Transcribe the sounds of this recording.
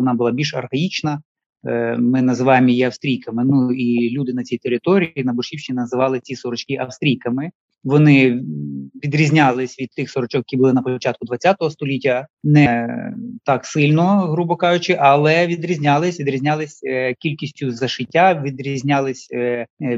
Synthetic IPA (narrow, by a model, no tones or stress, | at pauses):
ɔnɑbʊlˠɑbʲilʲʃɐrhɐit͡ʃnɐ | mɪnɐzɪʋɑjɪmɔjiɐfst̪ɾʲijkɐmɪnuilʲud̪ɪnɐt͡sʲijt̪eɾɪt̪ɔɾʲijinɐbʊʃʲiwfʃt͡ʃinɐzɪʋɑlˠɪt͡sʲisɔɾɔt͡ʃkiʔɐfst̪ɾʲijkɐmɪ | ʋɔnɪ | ʋʲid̪ɾʲizʲnʲalˠɪsʲʋʲid̪̚t̪ɪxsɔɾɔt͡ʃɔkjekʲibʊlˠɪnɐpɔt͡ʃat̪̚kʊd̪ʋɐt͡sʲːat̪ɔɦɔst̪ɔlʲitʲːɐnɛ | t̪ɑksɪlʲnɔɦɾubɔkɑjʊt͡ʃɪʔɐlˠɛʋʲid̪ɾʲizʲnʲɑlˠɪsʲʋʲid̪ɾʲizʲnʲalˠɪsʲkʲilʲkʲisʲtʲʊzɐʃɪtʲːaʋʲid̪ɾʲizʲnʲalˠɪsʲ